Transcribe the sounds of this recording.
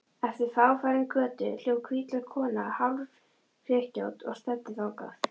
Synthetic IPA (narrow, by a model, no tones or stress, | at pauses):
ɛft̪ɪɾ̥θaːwfaːɾɪnkœːt̪ʏ̰l̥joːwkʰviːt̪lakʰɔːnahalv | r̥jɛːhcowt̪ɔ̰ɣst̪ɛt̪ːɪθawka̰θ